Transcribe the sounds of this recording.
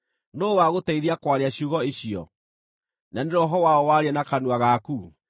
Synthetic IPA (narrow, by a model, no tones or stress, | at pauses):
noːwaɣotɛiðiakwaɾeaɕuɣɔeɕiɔ̰ | naneɾɔɦɔwaɔwaɾɛnakanuaɣaku